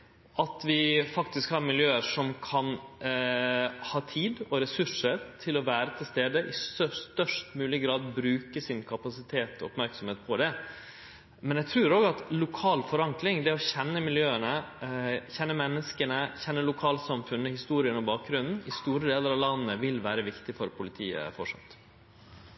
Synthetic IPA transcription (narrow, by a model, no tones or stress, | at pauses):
ʔɑt̪ʋɪfɑkt̪ɪskhɑɾmɪljøːəʂɔmkʰɑn | hɑːt̪ʰiːd̪ɔɾɛsʉʂəɾt̪ʰɪlɔʋæːɾət̪ʰɪlst̪eːd̪əʔɪst̪œʂt̪œʂtmʉːlɪəɡɾɑːd̪bɾʉːkəsɪnkʰɑpɑsɪt̪ʰeːt̪ʰɔ̰ɔpmæɾksɔmheːt̪̚pʰɔd̪ɛ | mɛnjæɡt̪ʰɾʉːɾoːɡəɑt̪lʊkʰɑːlfɔɾɑŋklɪŋd̪ɛɔçɛnːəmɪljøːənə | çɛnːəmɛnːəskənəçɛnːəlʊkʰɑːlsɑmfʉnːəhɪst̪uːɾɪənɔbɑːk̚ɡɾʉnn̩ɪst̪uːɾəd̪eːləɾɑʋlɑnːəʋɪlʋæːɾəʋɪkt̪ɪfɔɾpʰʊlɪt̪ʰiːə̰fɔʂɑ̰t̪